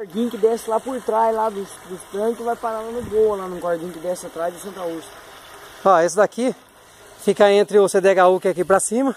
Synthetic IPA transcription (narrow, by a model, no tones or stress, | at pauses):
koɾd͡ʒĩʊkɪd̪ɛsɪlapʊɾt̪ɾazlad̪ʊsd̪ʊst̪ɾɐ̃kʊɪvajpaɾalanʊboɐlanũkoɾd͡ʒĩkɪd̪ɛsɪat̪ɾazd̪ɪsẽnt̪auskɐ̥ | ɔesɪd̪aki | fikɐẽnt̪ɾɪʊsed̪eɡaukɪakipɾɐsĩmɐ